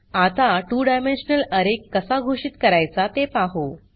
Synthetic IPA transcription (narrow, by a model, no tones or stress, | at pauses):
at̪aʈuːɖajmenɕənələɾekːəsaɡʱoɕiːt̪kəɾajt͡sat̪epaɦo